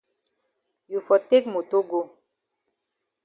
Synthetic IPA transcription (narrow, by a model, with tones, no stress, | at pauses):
ju˨fɔ˨te˦kmo˨to˦ɡo˦˨